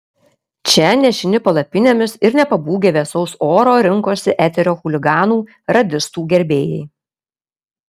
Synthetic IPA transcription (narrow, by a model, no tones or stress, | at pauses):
t͡ʃʲɛnʲɛʃʲɪnʲɪpɐlˠɐpʲɪnʲeːmʲɪsɪɾnʲɛpɐbuːɡʲeːʋʲɛːsɔʊsoːɾoːɾʲɪŋˑkoːsʲɪʔæːt̪ʲɛɾʲoːxʊlʲɪɡɑːnuː | ɾɐd̪ʲɪst̪uːɡʲɛɾʲbʲeːjɛ̰ɪ